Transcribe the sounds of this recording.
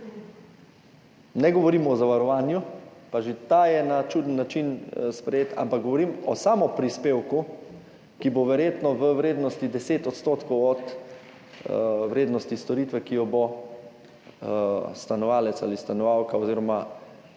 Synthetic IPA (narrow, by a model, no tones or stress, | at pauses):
nɛɡɔʋɔɾimɔzaʋaɾɔʋaːnjupaʒet̪aːjɛnat͡ʃud̪ənːat͡ʃinspɾɛjeːt̪a̰mpakɡ̚ɡɔʋɔɾimɔ̰saːmɔpɾispeːwku | kiboʋɛɾjeːt̪nɔʋəʋɾeːd̪nɔst̪id̪ɛseːt̪ɔt̪st̪oːt̪kɔwɔt̪ | ʋɾeːd̪nɔst̪ist̪ɔɾit̪ʋɛkijɔbo | st̪anɔʋaːlɛt̪sa̰list̪anɔʋawkaɔziːɾɔma